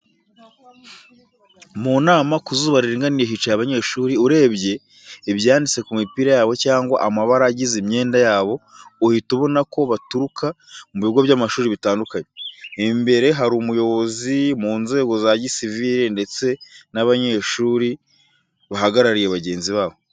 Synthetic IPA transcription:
muːnaːmakuzuːβaɾiɾiŋɡaniɾeɦit͡ʃajaβaɲe̞ːʃuːɾiuɾe̞ːβɟe̞ | iβjaːndit͡se̞kumipiːɾajaːβo̞caːŋɡwaʔamaβaɾaːɟizimɲeːndajaːβo̞ | uhituβo̞nako̞βatuɾukʰa | muβiɡo̞βjaːmaʃuːɾiβitaːndukaɲeimbe̞ɾe̞ɦaɾumujo̞βo̞zimuːnze̞ːɡo̞zaɟisiviɾende̞t͡se̞naβaɲe̞ʃuːɾi | βaɦaɡaɾaɾije̞βaɟe̞ːnziβaːβo̞

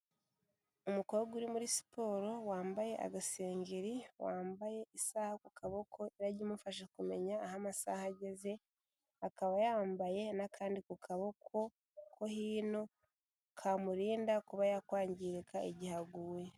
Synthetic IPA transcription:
umuko̞ɡuɾimuɾisi̥po̞ːɾo̞waːmbaje̞ʔa̰ɡaseːɲɡeɾiwaːmbaje̞ʔisaːhakukʰaβo̞kʰo̞iɾaɟimufaʃekume̞ɲaːɦamasahaɟe̞ze̞ | akaβajaːmbaje̞nakʰaːndikukʰaβo̞kʰo̞ | kʰo̞hiːno̞ | kʰamuɾiːndakuβajakwaːɲɟiɾekʰaiɟihaɡuːwe̞

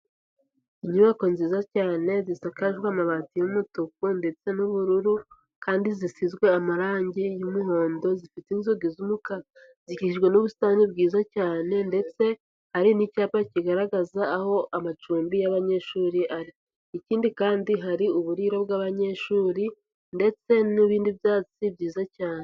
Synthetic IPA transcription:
iɲuβako̞nziːzacaːne̞zisakaʒɡwamaβatijumutukunde̞t͡se̞nuβuɾuɾu | kaːndizisizɡwe̞amaɾaːɲɟijumuɦo̞ːndo̞zifiteinzoɡizumuka | z̥iciʃiʒɡwe̞nuβustaːnibɡiːzacaːne̞nde̞t͡se̞ | haɾinicaːpaciɡaɾaɡazaːho̞ʔamat͡ʃuːmbijaβaɲe̞ʃuːɾiʔaɾi | iciːndikaːndiɦaɾiuβuɾiːɾo̞bɡaːβaɲe̞ʃuːɾi | nde̞t͡se̞niβiːndiβjaːt͡sibɟiːzacaːne

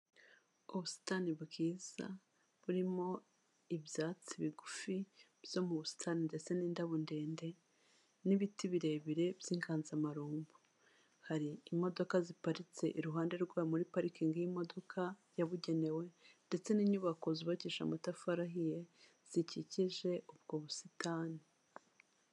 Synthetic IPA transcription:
uβusi̥taniβbɡiːz̥a̰ | βuɾimo̞ | iβjaːt͡siβiɡufi | bj̥o̞muβusi̥tʰaninde̞t͡se̞niːndaβonde̞ːnde̞ | niβitiβiɾe̞βiɾe̞bjiːŋɡʰaːnzamaɾuːmbu̥ | haɾiːmo̞do̞kazipaɾit͡se̞ʔiɾuɦaːnde̞ɾɡwaːmuɾipaɾikiŋɡijimo̞do̞kʰajaβuɟe̞ne̞we̞nde̞t͡se̞niːɲuβako̞ziβaciːʃa̰matafaɾaɦije | z̥iciciʒe̞ʔubɡo̞βusitaːni

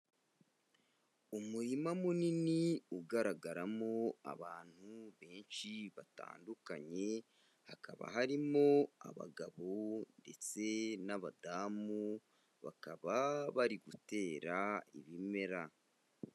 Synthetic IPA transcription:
umuɾimamuniniuɡaɾaɡaɾamo̞a̰βaːn̥huβe̞ːnʃiβata̰ːndukaɲe̞ | haka̰βa̰ɦaɾimo̞a̰βa̰ɡaβonde̞t͡se̞naβadaːmu | βa̰kaβaβaɾiɡute̞ːɾaiβime̞ɾa

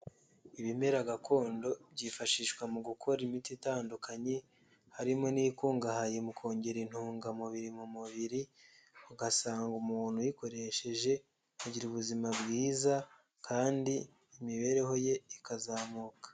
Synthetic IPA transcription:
iβime̞ɾaɡakʰo̞ːndo̞bɟifaʃiʃkwamuɡukʰo̞ɾimititaːndukʰaɲe | haɾimo̞nikuːŋɡaɦajemukʰo̞ːɲɟe̞ɾin̥huːŋɡamuβiɾimumuβiɾi | uɡasaːŋɡumuːn̥hujiko̞ɾe̞ʃe̞ʒe̞ | aɟiɾuβuzimabɡiːza | kʰaːndiː | miβe̞ɾe̞ɦo̞je̞ikazaːmuːkḁ

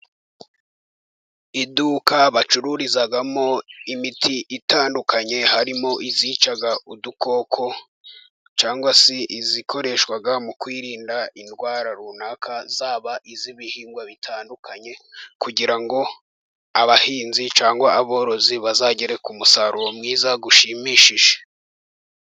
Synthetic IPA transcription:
iduːkaβat͡ʃuɾuɾizaɡamoimitʰiʔitaːndukʰaɲe̞haɾimo̞ʔiziːt͡ʃaɡaudukʰo̞ːkʰo̞ | t͡ʃaːŋɡwasiʔizikʰo̞ɾe̞ʃkwaɡamukwiːɾiːndainɡwaːɾaɾunaːkʰazaːβaʔiziβihiːŋɡwaβitʰaːndukʰaɲe̞kuɟiɾaŋɡo̞ | aβahiːnzit͡ʃaːŋɡwaaβo̞ːɾo̞ziβazaɟeɾe̞kumusaɾuomŋiːzaɡuʃimiːʃiʒ̥e̥

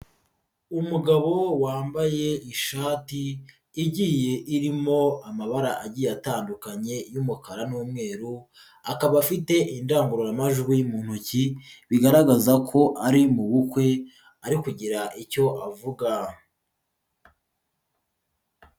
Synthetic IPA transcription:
umuɡaβo̞waːmbaje̞iʃaːtiː | ɟiːje̞ʔiɾimo̞amaβaɾaʔaɟiːjataːndukaɲe̞jumukaɾanuːmŋe̞ːɾu | akaβafite̞ʔindaːŋɡuɾojamaʒɡwimuːn̥huciβiɡaɾaɡazakʰo̞ʔaɾimuβukwe̞ | aɾikuɟiɾaʔico̞ʔavuɡa

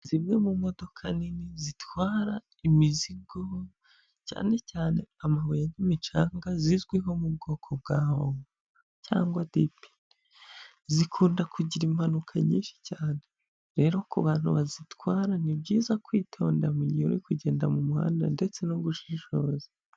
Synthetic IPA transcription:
zimɲo̞mumo̞do̞kʰaninizitwaːɾa | imiziɡo | ca̰ːne̞caːne̞amaβojanimit͡ʃaːŋɡazizɡwiɦo̞mub̚ɡo̞ːkʰo̞b̚ɡaːhoŋɡo | ca̰ːŋɡwadipi̥ | zikʰuːndakuɟiɾimhanukʰaɲḭːnʃi̥caːne̞ | ɾe̞ɾo̞kuβaːn̥huβazitwaːɾanibɟiːzakwiːtʰo̞ːndamuɲioɾikuɟe̞ːndamumuha̰ːnda̰nde̞t͡se̞noɡuʃiʃo̞ze

